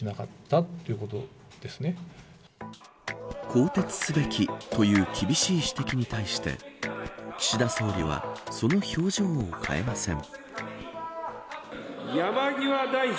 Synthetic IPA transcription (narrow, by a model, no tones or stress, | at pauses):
inakat̪ːat̪ːojɯ̟kot̪o̞̰ | d̪̥e̞sɨne̞ | kʰo̞ːt̪e̞t͡sɨ̥sɨbe̞kʲʰit̪o̞jɯ̟ːkʲibʲiɕiːɕi̥t̪e̞kʲiɲ̟it̪aiɕi̥t̪e̞̰ | kʲi̥ɕid̪aso̞ːɾʲiβ̞a̰so̞no̞ço̞ːʑo̞ːkʰa̰e̞masẽ̞ɴ | jamaɡʲiβad̪ai